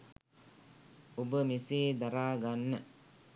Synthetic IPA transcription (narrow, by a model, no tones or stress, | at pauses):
obəmiseːd̪aɾaːɡanːə